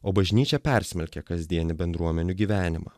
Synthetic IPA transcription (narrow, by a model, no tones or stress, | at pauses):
oːbɐʒʲnʲiːt͡ʃʲɛpʲɛˑɾʲsʲmʲɛlʲkʲɛkɐzʲd̪ʲiɛnʲɪbʲɛnd̪ɾuɔmʲɛnʲuɡʲiːʋʲæːnʲɪmɐ̰